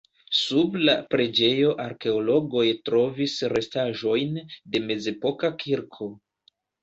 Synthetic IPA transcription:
sublapɾe̞d͡ʒe̞jo̞ʔaɾke̞olo̞ɡo̞jtɾo̞visɾe̞staʒo̞jnde̞me̞ze̞po̞kakʰiɾkʰo̞

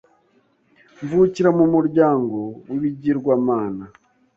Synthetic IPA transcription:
ɱvuciɾamumuɾɟaːŋɡo̞wiβiɟiɾɡwamaːna

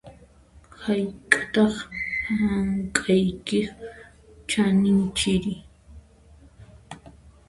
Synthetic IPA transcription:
hajkʼḁt̪ɑχhaŋkʼajkɪ | t͡ʃanɪnt͡ʃɪɾɪ

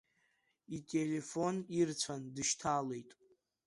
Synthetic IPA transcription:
itʼele̞fo̞nirt͡sʷʰandɨʃtʰale̞jtʼ

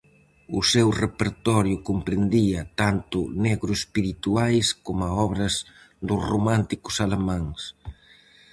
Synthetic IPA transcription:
ʊsewrepeɾt̪ɔɾjʊkompɾend̪iɐt̪ant̪ʊneɣɾʊespiɾit̪uajskomaɔβɾɐz | d̪ʊromãnt̪ikʊ̥salemãŋs

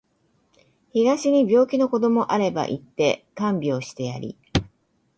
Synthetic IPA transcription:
çiɡaɕiɲ̟ibʲo̞ːkʲino̞ko̞d̪o̞mo̞ʔaɾe̞ba̰ʔit̪ːe̞kãmbʲio̞ɕi̥t̪e̞jaɾʲḭ

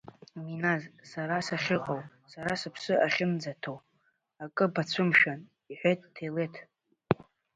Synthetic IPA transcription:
minazsaɾasaχʲɪqʼow | saɾasɨpʰsɨʔaχʲɪnd͡zatʰow | akʼɨbat͡ɕʷʰɨmʃᶣan | iħʷejt̚ʼːʰejletʰ

